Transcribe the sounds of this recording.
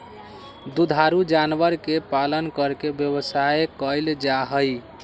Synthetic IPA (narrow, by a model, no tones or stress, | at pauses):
d̪ud̪ʱaɾud͡ʒanʋəɾkepalənkəɾkebjəβəsaekəjld͡ʒaɦəj